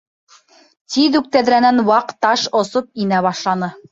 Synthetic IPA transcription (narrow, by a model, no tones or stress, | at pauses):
t̪iðʉk̚t̪æðɾænænwɑqt̪ɑʃŏsop̚inæβɑʃlˠɑnɤ